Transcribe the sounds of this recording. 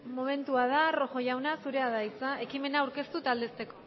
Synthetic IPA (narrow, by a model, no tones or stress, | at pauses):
mo̞me̞nt̪uað̞aro̞ʝo̞ʝawnasuɾe̞aðajt͡sae̞kime̞naːwɾke̞st̪ut̪ald̪e̞st̪e̞ko̞